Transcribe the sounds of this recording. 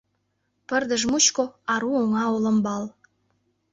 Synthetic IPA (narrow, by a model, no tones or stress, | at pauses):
pə̆rd̪ə̆ʒmut͡ɕkoɑɾuoŋɑolə̆mbɑl